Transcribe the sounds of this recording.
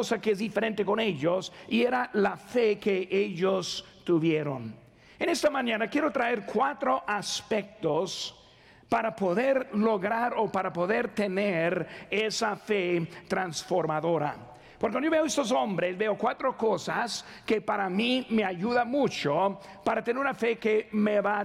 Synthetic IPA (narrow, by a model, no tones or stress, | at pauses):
osakeezðifeɾent̪ekone̞ʎosieɾalafekeʔeʎos | t̪uβjeɾon | ene̞st̪amãɲãnakjeɾo̞t̪ɾaeɾkwat̪ɾoʔaspek̚t̪os | paɾapo̞ðeɾlo̞ɣɾaɾopaɾapo̞ðeɾt̪eneɾesafet̪ɾansfoɾmaðo̞ɾa̰ | poɾkwand̪ooeoest̪os̬o̞mbɾesbeokwat̪ɾoko̞sas | kepaɾamime̞aʝuðamut͡ʃo | paɾat̪eneɾunafekemeβa